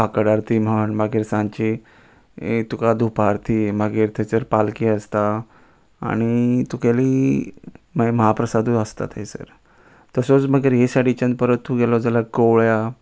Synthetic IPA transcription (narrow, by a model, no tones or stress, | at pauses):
akəɽaɾt̪iːm̤aəɳmaɡiːɾsãnt͡ɕi | t̪ukad̪ʱupaɾt̪ʰimaɡiːɾt̪ʰɛt͡səɾpalkiəst̪a | a̰ɽ̃it̪ukeliː | məməɦapɾəsad̪uəst̪a̰t̪ɦesə̰ɾ | t̪əsot͡sməɡiɾɦesaɽit͡ɕə̃nd̪pəɾət̪ːuɡɛlɔd͡zalakəwɭja